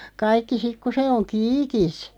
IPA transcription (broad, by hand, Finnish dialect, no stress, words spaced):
kɑikːi sik ku se oŋ kiːkis